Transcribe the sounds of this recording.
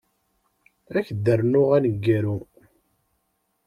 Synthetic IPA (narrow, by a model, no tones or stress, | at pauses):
æçd̪ːərnʊʁænəɡːæɾu